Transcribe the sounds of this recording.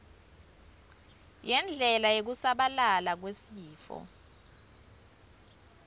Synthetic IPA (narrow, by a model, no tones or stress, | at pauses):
jɛnd͡ɮʱɛlajek̬usaɓalalak̬wesiːfɔ̰